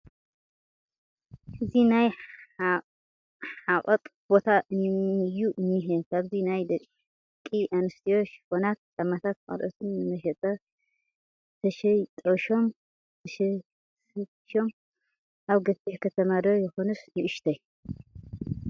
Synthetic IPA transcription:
ʔɨzinaj | ħaqʼɐt̪ʼbo̞t̪ʰaʔɨnɨjːuʔɨnːiɦekʰaβzinajd̪ɐ | kʼːiʔanɨst̪ʰio̞t͡ʃhonat̪̚t͡ʃʼamːat̪ʰat̪̚kʼɐ̰lʔət̪ʰɨnːɨmɐʃɐt̪ʼɐ | t̪ʰɐʃɛt̪ʼoʃo̞m | t̪ʰɐʃ | s | ʃo̞m | ʔaβɡɐt̪ːiħkʰɐt̪ʰɐmad̪ɐɾjɛxo̞nusnɨʔɨʃt̪ʰɐ

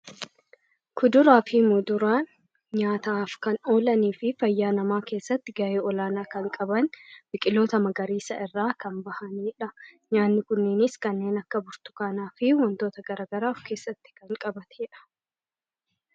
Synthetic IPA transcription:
kʊd̪ʊɾaːfiːmʊd̪ʊɾaːn | ɲaːt̪aːfkɐno̞ːlɐniːfɪfɐjːaːnɐmaːke̞ːsːɐt̪ːɪɡɐʔeːɔlaːnaːkɐŋkʼɐbɐnbɪkʼɪlo̞ːt̪ɐmɐɡɐɾiːsɐ̰ʔɪrːaːkɐmbɐhɐniːᶑɐɲaːnːɪkʊnːɪnɪskɐnːe̞ːnɐkːɐbʊɾt̪ʊ̥kaːnaːfɪwɐnt̪o̞ːt̪ɐɡɐɾaːɡɐɾaːfke̞ːsːɐt̪ːɪ̥kɐŋkʼɐbɐt̪ɛ̥ɛᶑɐ̥

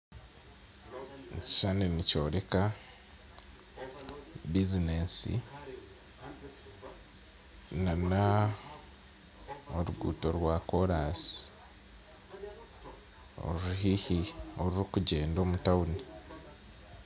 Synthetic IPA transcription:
ci̥ʃaninico̞ːɾe̞ka | bizinesḭ | nana | oɾuɡuːto̞ɾwakoɾasi̥ | o̰ɾuhihioɾiɾikuɟe̞ːndo̞ːmutauni

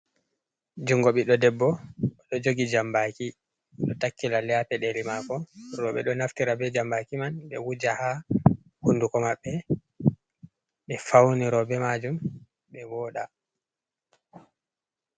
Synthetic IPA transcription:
d͡ʒuŋɡɔɓiɗɔdɛbːɔɔɗɔd͡ʒoɡid͡ʒambaki | ɔɗɔtakːilaljapɛɗelimakɔɾɔɓɛɗɔnaftiɾabɛd͡ʒambakimanɓɛwud͡ʒaha | hundukɔmaɓːɛ | ɓɛfawniɾɔbɛmad͡ʒum | ɓɛwɔːɗa

